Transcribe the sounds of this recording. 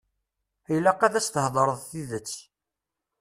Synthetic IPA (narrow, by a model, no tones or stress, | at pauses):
ilæqæðæst̪əhðˤɾˤəðˤθiðət͡sː